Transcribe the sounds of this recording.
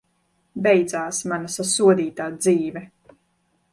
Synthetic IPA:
bɛjd̪zaːsmanasasuɔd̪iːt̪aːd̪ziːvɛ

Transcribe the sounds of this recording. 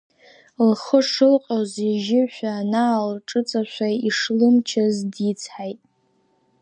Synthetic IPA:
lχəʂɨlqʼaziʒɪʃʷᶣaːnalʈ͡ʂʼɨt͡sʼaʃʷaiʂlɨmt͡ʃʰazdit͡sʰħajtʼ

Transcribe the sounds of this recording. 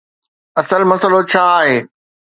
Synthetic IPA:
ɐsəlmɐsəlot͡ɕʰaːaːɦeː

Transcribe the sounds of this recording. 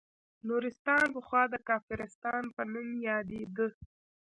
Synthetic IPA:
nuɾɪst̪ɑnpəxwɑd̪əkɑfɪɾɪst̪ɑnpənumjɑd̪ed̪ə

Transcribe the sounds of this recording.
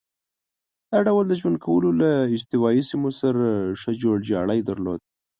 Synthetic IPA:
d̪̥aɖawəld̪əʒwand̪̚kʰawəlolaɪd͡ʒt̪ɪwɑisimosaɾaʂəd͡ʒoɽd͡ʒɑɽəjd̪əɾlo̰d̪̚

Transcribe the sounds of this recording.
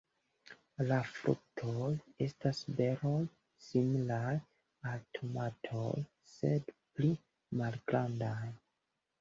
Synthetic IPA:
lafɾṵk̚tʰoje̞stasbe̞ɾo̞j | similaj | altʰomatʰo̰j | se̞dpli | malɡɾandaj

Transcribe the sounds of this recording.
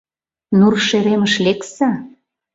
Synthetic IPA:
nurʃeɾeməʃleksa

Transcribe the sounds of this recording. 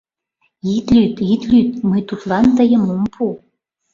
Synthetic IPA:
it̪lʲyt̪it̪lyt̪̚məjt̪ut̪lˠɑnt̪əjə̆mompʰu

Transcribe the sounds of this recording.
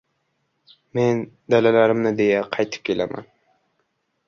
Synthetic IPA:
men | d̪ælɛlæɾɪmnɪd̪ejɛqʰɑjt̪ʰɨ̥p̚kʲʰelæ̰mæ̰n

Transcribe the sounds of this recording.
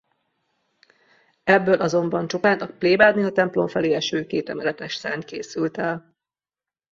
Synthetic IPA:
ɛbːøːlʔɒzo̞mbɒnt͡ʃopaːnt̪ɒk̚pleːbaːd̪niɒt̪ɛmplo̞mfɛleːɛʃøːkeːt̪ɛ̰mɛlɛt̪ɛʃsa̰ːnkeːsylt̪ɛl

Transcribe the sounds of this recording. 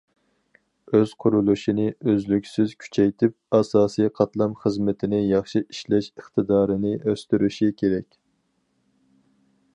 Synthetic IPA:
øz̥qʰʊɾulˠuʃinɪʔøzlykʲsɪz̥kʲʰy̥t͡ʃʰɛjt̪ʰɪp̚ɑsɑːsijqʰɑt̪lˠɑmχəzmɪt̪ʰɪnɪjɑχʃiʔiʃlɛʃəχt̪ɨd̪ɑːɾɨnɪʔøst̪yɾyʃikʲʰeɾɛkʲ

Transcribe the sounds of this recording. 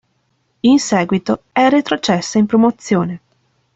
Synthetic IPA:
insɛːɡwit̪o | ɛret̪ɾot͡ʃɛsːaimpɾomot̪sːjoːne

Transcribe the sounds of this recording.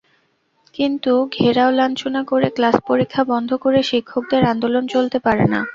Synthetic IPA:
kint̪uɡʱeɾaolant͡ɕonakoɾeklaspoɾikʰːabɔnd̪ʱokoɾeʃikʰːok̚d̪eɾand̪olont͡ɕolt̪epaɾḛna̰

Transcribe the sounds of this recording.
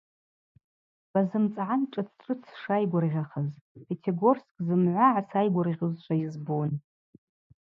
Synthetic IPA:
b̥azɨmt͡sʼʕanʈ͡ʂʼɨt͡sʰʈ͡ʂʼɨt͡sʰʂajɡʷʊrʁʲaχəzpʲʰetʰeɡorskʼzɨmʕʷaʕasajɡʷʊrʁʲɨzt͡ʃʷʼʰaizbun

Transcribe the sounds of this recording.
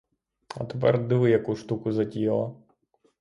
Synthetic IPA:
ɐ̰t̪e̥p̬ɛ̰rd̪ɪʋɪjɐkuʂt̪ukʊzɐtʲijlˠɐ

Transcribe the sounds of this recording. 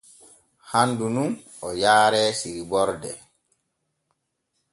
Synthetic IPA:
handunun | ɔjaːɾɛːsiɾibɔɾdɛ̰

